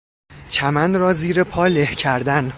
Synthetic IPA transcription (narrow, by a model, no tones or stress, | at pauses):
t͡ʃʰæmænɾɒːziːɾepʰɒːlehcʰæɾd̪æn